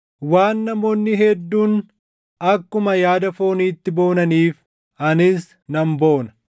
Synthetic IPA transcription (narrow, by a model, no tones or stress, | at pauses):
waːnːɐmo̞ːnːɪɦɛd̪ːuːn | ɐkːʊmɐjaːd̪ɐfo̞ːniːt̪ːɪbo̞ːnɐniːf | ɐnɪs | nɐmbo̞ːnɐ̥